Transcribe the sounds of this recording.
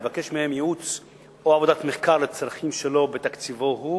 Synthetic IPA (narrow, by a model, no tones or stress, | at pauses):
vake̞ʃmehemjeut͡s | oavo̞d̪at̪meχkaʁlet͡sɾaχimʃelo̞bet̪akt͡sivo̞ɦu